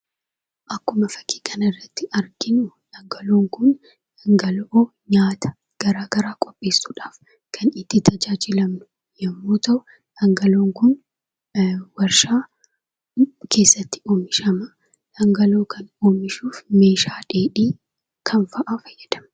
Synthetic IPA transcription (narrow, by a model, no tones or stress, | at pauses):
ʔɐkːʊmɐfɐ̥ki̥ːkɐnɐrːɐt̪ːɪʔɐɾɡɪnʊᶑɐŋɡɐloːŋkʊn | ɐŋɡɐlo | ɲaːt̪ɐ̥ | ɡ̥ɐɾaːɡ̥ɐɾaːkʼɔpʼːe̞ːsːuːᶑaːf | kʰɐnɪt̪ːɪt̪ʰɐd͡ʒaːd͡ʒɪlɐmnʊ̥ | jɐmːo̞ːt̪ɐʔʊ | ᶑɐŋɡɐloːŋkʊn | wɐɾʃaː | kʰe̞ːsːɐt̪ːɪ̥oːmɪʃɐmɐ | ᶑɐŋɡɐlo̞ːkʰɐnoːmɪʃuːfme̞ːʃaːᶑeːᶑiː | kʰɐnfɐʔaːfɐjːɛd̪ɐm